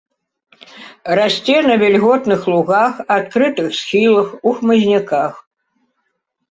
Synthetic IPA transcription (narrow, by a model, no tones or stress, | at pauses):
rasʲt͡sʲɛnɐvʲɛlʲɣɔt̪nɨxlˠuɣaxat̪̚kɾɨt̪ɨxsxʲilˠɐxuxmɨzʲnʲikax